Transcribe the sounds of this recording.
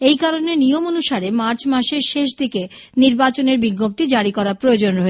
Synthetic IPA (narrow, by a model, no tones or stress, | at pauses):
ejkaɾonenijomonuʃaɾemaɾt͡ɕmaʃeɾʃeʃ̬d̪ʱikeniɾbat͡ɕoneɾbiɡːop̚t̪id͡ʑaɽikɔɾapɾood͡ʑonɾɔɦe